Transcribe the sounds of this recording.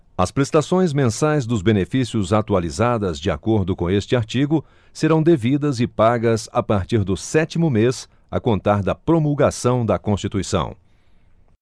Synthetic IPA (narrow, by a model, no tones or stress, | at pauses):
ɐspɾest̪asõj̃zmẽsajzd̪ʊzbenefisiʊzat̪ualizad̪ɐzd͡ʒɪa̰koɾd̪ʊkõest͡ʃɪaɾt͡ʃiɡʊ | seɾɐ̃w̃d̪evid̪ɐzɪpaɡɐsapaɾt͡ʃiɾd̪ʊsɛt͡ʃimʊmes | ɐ̰kõnt̪aɾd̪ɐpɾomulɡasɐ̃w̃d̪ɐkõst͡ʃit̪uisɐ̰̃w̃